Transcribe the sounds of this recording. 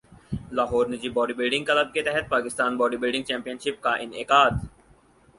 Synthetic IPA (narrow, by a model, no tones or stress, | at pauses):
laːɦɔːɾnɪd͡ʒibɔːɖibɪlɖɪ̃ŋɡkɐləb̚ket̪ɛɦɛt̪̚paːkɪst̪aːnbɔːɖibɪlɖɪ̃ŋɡt͡ʃɛ̃ːmpijənʃɪp̚kaʔɪnɪkaːd̪